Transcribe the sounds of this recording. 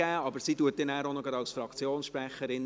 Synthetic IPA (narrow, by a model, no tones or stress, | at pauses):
æːɑbəɾsituətːɪnæːɾonɔɡɑdɑwsfɾɑkt͡sjoːnsʃpɾæχəɾɪn